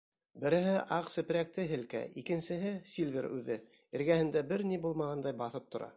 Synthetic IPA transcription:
bɘ̆ɾɘ̆ɦɘʔɑqsɘ̆pɘ̆ɾæk̚t̪ɘɦɘ̆lkæ̰ikɘ̆nsɘ̆ɦɘsʲilʲvʲeɾʉ̰ðɘ | ɘ̆ɾɡæhɘ̆nd̪æbɘɾnibulˠmɑʁɑnd̪ɑjbɑθɤp̚t̪ŏɾɑ̰

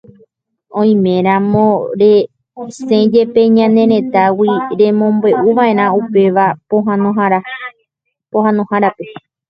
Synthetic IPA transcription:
õj̃mẽ̞ɾ̃ãmõɾe | sẽd͡ʒe̞pe̞ɲãnẽ̞ɾẽ̞t̪awiɾẽ̞mõ̞mbe̞ʔuʋaʔe̞ɾãupe̞ʋapoɦãnõɦaɾa | pohãnõhaɾape

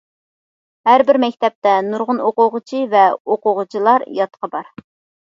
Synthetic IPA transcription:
ɦæɾbɪɾmɛkʲt̪ʰɛp̚t̪ɛnuɾʁʊnoqʊʁʊt͡ʃʰivɛoqʊʁʊt͡ʃʰilˠɑɾjɑt̪qʰɑbɑɾ

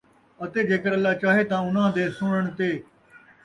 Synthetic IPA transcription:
ət̪eːɡʱeːkəɾəlːaːt͡ʃaːɦeːt̪ãːʊnãːd̪eːsʊɳəɳ̃t̪eː

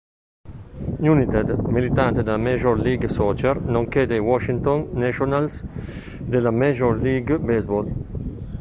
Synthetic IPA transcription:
junit̪ɛd̪milit̪ant̪ed̪alameʒɔɾliɡsɔt͡ʃɛɾnɔ̃ŋked̪ejwɔʃint̪ɔnːɛʃɔnals | d̪elameʒɔɾliɡbezbɔl

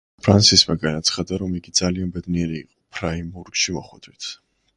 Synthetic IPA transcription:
pʰɾansismaɡanat̪sʰχad̪aɾɔmiɡid̪z̥alianbɛd̪niɛɾiːqʼɔ̥pʰɾaimbuɾɡʃimɔχwɛd̪wit̪ʰ

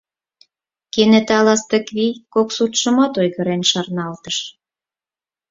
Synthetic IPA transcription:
kenĕt̪ɑlɑst̪əkβikoksut̪ʃə̆mɑt̪ojɣə̆ɾenʃɑrnɑlt̪əʃ

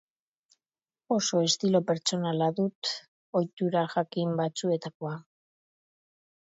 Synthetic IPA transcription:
o̞so̞est̪ilo̞pe̞ɾt͡ʃo̞nalaðut̪ | o̞jt̪uɾaʝakimbat͡sue̞t̪ako̞a

